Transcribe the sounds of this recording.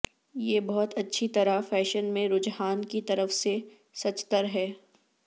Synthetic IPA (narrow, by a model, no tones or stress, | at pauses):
jeːbɔɦɔt̪ɐtːʃʰit̪ɐɾafɛːʃənmẽɾʊd͡ʒɦaːnkit̪ɐɾəfse | sɐt͡ʃt̪əɾɦɛː